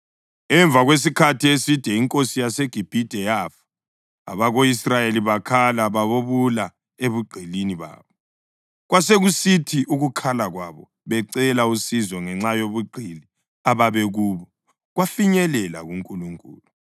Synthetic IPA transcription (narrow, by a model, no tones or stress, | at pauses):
ɛɱb̪vʱaɣwes̬ikʰatʰiesid̥ʱɛiŋkʼosijaseɡ̥ʱib̥ʱid̥ʱɛjafḁ | a̰βaɣoisrajeliβakʰalaβaβoβula | eβuɡ͡ǃʱiliniβa̰ːβɔ | ɣwaseɣusitʰiʔuɣukʰalaɣwaβɔ | βɛǀɛlausizɔŋɛŋ͡ǁajoβuɡ͡ǃʱili | aβaβɛɣuːβɔ | ɣwafiɲɛlɛla̰ɣuŋkʼuluŋkʼṵːlu